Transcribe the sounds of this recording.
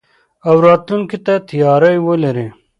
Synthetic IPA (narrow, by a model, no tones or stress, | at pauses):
ɐwɾɑːt̪lunkit̪at̪ʰijɑːɾɐjwolɐɾe